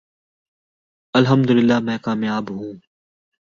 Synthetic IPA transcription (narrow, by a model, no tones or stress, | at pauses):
ɐlɦəmd̪ʊlɪlːaːmɛ̃ːkaːmjaːbɦũː